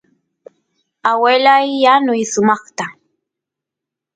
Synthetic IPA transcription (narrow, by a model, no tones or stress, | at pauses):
awelajːanʊjsʊmɑχt̪a